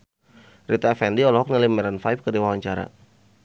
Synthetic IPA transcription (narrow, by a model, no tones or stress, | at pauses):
rit̪afɛndiɔlɔɦɔk̚nalimɛɾanfajp̚kədiwawaɲt͡ʃaɾa̰